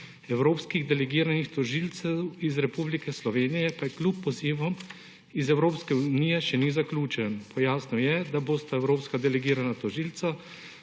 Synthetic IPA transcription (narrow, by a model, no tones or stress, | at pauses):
ɛwɾoːpskiɣd̪ɛlɛɡiːɾanixt̪ɔʒiːlt̪sɛwizɾɛpublikɛslɔʋeːnijɛpajɛklʲupːɔziːʋɔm | izɛwɾoːpskɛunijɛʃɛnizaklʲuːt͡ʃɛnpʰɔjaːsnɔjɛd̪aboːst̪aɛwɾoːpskad̪ɛlɛɡiːɾanat̪ɔʒiːlt̪sa